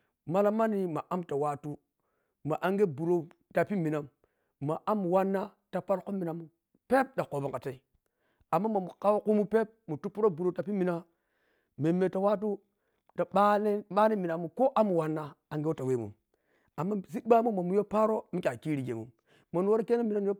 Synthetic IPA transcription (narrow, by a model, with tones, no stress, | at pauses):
ma˦la˦ma˦ni˨ma˨ʔa˦mta˨wa˦tu˦ | ma˨ʔa˦ŋɡe˦bu˨ɾo˨ | ta˨pi˦mi˨na˨mː | a˨ʔa˦mːu˨wa˦nːa˦ | ta˨pa˦lko˦mːi˨na˨mːu˦ | pe˦p̚ɗa˨ko˨ba˨ŋka˨ta˦i˦ | a˨mːa˦mo˨mu˨ka˦wo˦ku˦mu˦pe˦p̚mu˨tu˦pːu˦ɾo˦bu˨ɾo˨ta˨pi˦mi˨na˦ | me˨mːe˨ta˨wa˦t̬u˦ | ta˨ɓa˦ne˦ɓa˦ne˦mi˨na˨mːu˨ko˦ʔa˦mu˨wa˦nːa˦a˨ŋɡe˦o˦ta˨we˦mṵ˨m | a˨mːa˦zi˦ɓa˦mu˦mo˨mu˨˦jo˦pa˦ɾo˦mi˦kʲa˨ki˦ɾi˨ɡḛ˨mṵ˨m | mo˨n˨wo˦ɾke˦na˦mi˨na˦m˦jo˦